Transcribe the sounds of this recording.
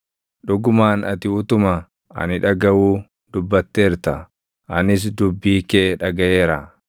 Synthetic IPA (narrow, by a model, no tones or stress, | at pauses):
ᶑʊɡʊmaːnɐt̪ɪʊt̪ʊmɐ | ʔɐ̰nɪᶑɐɡɐwuː | d̪ʊbːɐt̪ːeːɾt̪ɐ | ʔɐnɪs̬d̪ʊbːiːkeːᶑɐɡɐʔeːɾɐ